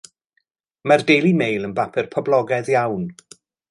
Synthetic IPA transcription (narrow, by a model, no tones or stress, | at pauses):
mardejlˠimejlˠənbapʰɨrpʰɔblˠɔɡɛðjawn